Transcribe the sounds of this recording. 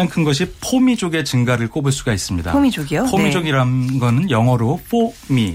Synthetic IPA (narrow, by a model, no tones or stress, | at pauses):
aŋkʰɯnɡʌɕ̬ʰipʰomid͡ʑoɡe̞t͡ɕɯŋɡaɾɯɭk͈obɯɭs͈uɡais͈ɯmɲida̰mid͡ʑoɡiopʰomid͡ʑoɡiɾannɡʌnɯnjʌŋɦʌɾopʰomi